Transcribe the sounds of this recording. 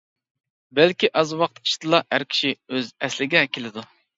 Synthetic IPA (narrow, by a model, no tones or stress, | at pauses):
bælkʲiʔɑzwɑqt̪ʰi̥ʃt̪ɨlˠɑhæɾkʲʰi̥ʃiøzɛslɪɡʲɛkʲʰelɪd̪u